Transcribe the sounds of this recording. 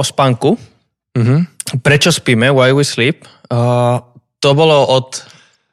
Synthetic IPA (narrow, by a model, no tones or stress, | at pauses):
ɔspaŋku | m̩ɦ̩pɾɛt͡ʃɔspimɛwajwisliːp̚ː | t̪ɔbɔlɔʔɔt̪